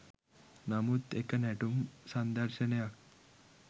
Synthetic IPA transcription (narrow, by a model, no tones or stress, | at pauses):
namut̪ekanɛʈumsand̪əɾɕənejak